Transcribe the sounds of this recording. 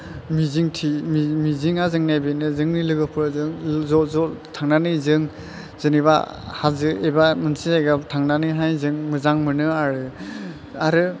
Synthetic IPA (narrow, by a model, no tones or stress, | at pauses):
miziŋtʰimimiziŋazɯŋnajbenɯzɯŋnilɯɡɯpʰɯɾzɯŋzɔzɔtʰaŋnanɯzɯŋ | z̥ɯniba̰ | hazɯebamɯnsʰizajɡatʰaŋnanɯɦajzɯŋmɯzaŋmɯnɯaɾɯ | aɾɯ